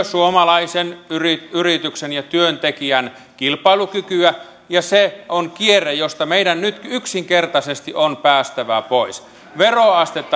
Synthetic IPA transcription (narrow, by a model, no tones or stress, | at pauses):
suomɑlɑisenyrityrit̪yksenjɑt̪yønt̪ekiæn | kilpɑilukykyæ | jɑseonkierejost̪ɑmeidænnyt̪kyksiŋkert̪ɑsest̪iʔonpæːst̪æʋæpois | ʋeroɑst̪et̪ːɑ